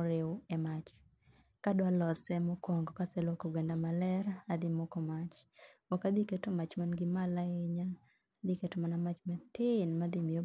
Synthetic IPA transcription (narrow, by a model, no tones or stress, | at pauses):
ɾɪwɛmat͡ʃ | kadwalɔsɛmokwɔŋɡɔkasɛlokoɡwendamalɛɾaːd̪ɪmokɔmat͡ʃwɔkad̪iketomat͡ʃmanɡɪmalaeɲa | d̪iketomanamat͡ʃmat̪ɪnmad̪ɪmijo